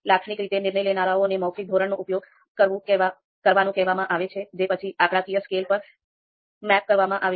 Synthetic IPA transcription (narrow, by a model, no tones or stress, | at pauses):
lakʂɳikɾit̪enɪɾɳəjlenaɾaonemɔwkik̚d̪ʱoɾəɳnoʔupjoɡ | kəɾũ | kəɾʋanũkɛɦʋamãʔaʋet͡ʃʰed͡ʒepət͡ʃʰiʔakɾakijəskelpəɾ | mɛp̚kəɾʋamãʔaʋe